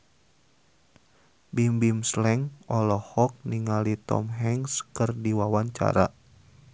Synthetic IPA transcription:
bimbimslɛŋɔlɔhɔk̚niŋalit̪ɔ̰mɦɛŋskərdiwawaɲt͡ʃa̰ɾa̰

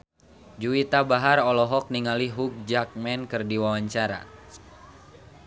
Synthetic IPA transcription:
d͡ʒuit̪abaɦarɔlɔɦɔk̚niŋaliɦuk̚d͡ʒak̚mɛnkɨrdiwawaɲt͡ʃaɾa̰

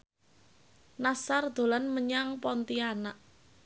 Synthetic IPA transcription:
nasard̪̥o̤lanməɲaŋpɔnt̪ianaʔ

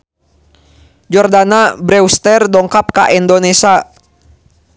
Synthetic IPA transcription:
d͡ʒɔrdanabɾɛwst̪ɛrdɔŋkap̚ka̰ʔindonɛsa

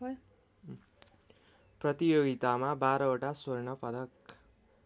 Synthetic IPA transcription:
prʌt̪ijoɡit̪amabaɾʌoʈasornʌpʌd̪ʌk

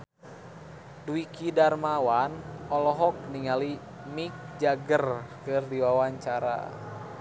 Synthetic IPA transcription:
duikidarmawanɔlɔɦɔk̚niŋali | mik̚d͡ʒaɡərkɨrdiwawaɲt͡ʃaɾa̰

